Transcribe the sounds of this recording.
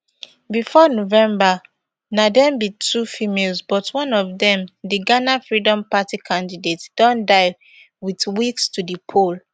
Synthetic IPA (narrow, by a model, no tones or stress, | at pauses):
bifɔnovɛ̃mba | nadɛ̃mbitʰufimelzbɔtʰwɔ̃nɔvðɛ̃mdiɡanafɹidɔ̃mpatikʰãndidetd̥ɔ̃ndaɪ | witwikstudipʰol